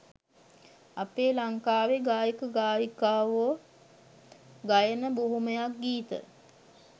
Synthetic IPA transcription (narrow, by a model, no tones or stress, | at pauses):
apeːlaŋkaːʋeɡaːjəkəɡaːjikaːʋoː | ɡajənəboɦuməjak̚ɡiːt̪ə̰